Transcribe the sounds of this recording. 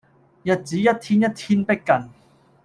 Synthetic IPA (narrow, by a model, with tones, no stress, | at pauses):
jɐ˨t̚t͡siː˨˥jɐ˥t̚t̪ʰiː˥njɐ˥t̚t̪ʰiː˥npe˥kkːɐ˨˩n